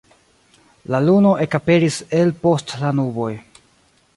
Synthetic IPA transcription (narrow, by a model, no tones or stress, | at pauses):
laluno̞ʔe̞kape̞ɾise̞lpo̞stlanubo̞j